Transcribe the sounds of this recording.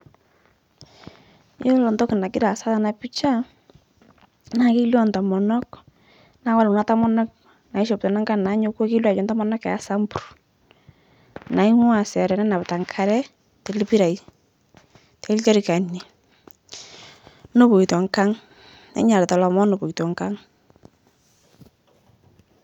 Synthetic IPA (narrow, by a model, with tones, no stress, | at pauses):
jo˦lɔ˨ntɔ˦kɪ˨na˨ki˦ɾa˨sa˦ta˨na˨pi˦t͡ʃa˦ | na˨ki˦ljɔ˦nta˨mɔ˨nɔ˦k | na˨˦kwa˦lna˦ta˦mɔ˦na˦k̚ | na˨i˦ʃɔ˨p̚tɔ˨na˦ŋka˦ŋna˨˦ɲo˦ko˦ki˦lwa˨t͡ʃɔ˨nta˦mɔ˦na˦kɛ˨a˦sa˦mbu˨r | na˨i˦ŋwa˨sɛ˨ɾɛ˨nɛ˦na˨pta˨ŋkʰa˨ɾɛ˦ | te˨lɪ˦pi˦ɾa˨j | te˨ɪ˦lt͡ʃɔ˦ɾi˨ka˨ni˨ | no˦po˨i˨tɔ˨ŋka˦ŋ | na̰˨˦ɲa˨lɛ˨tɔ˨lɔ˨mɔ˦no˨po˨tɔ˨ŋka˦ŋ